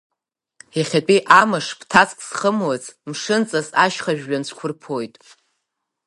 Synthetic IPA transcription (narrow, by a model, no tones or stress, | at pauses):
jaχʲat͡pʼiʔamaʂpʰtʰat͡sʼkʼsχəmwat͡sʰʼmʂɨnt͡sʼasaʃχaʒᶣɥant͡ɕʷʰkʷʰʊrpʰojtʼ